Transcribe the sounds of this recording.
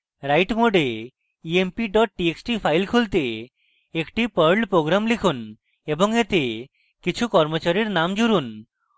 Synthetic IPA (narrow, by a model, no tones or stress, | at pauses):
ɾajʈmoɖe | iempiɖɔʈ̚ʈieksʈipʰajlkʰult̪e | ekʈipəɾɖpɾoɡɾamlikʰun | eboŋet̪e | kit͡ɕʰukɔɾmot͡ɕaɾiɾnamd͡ʑuɾun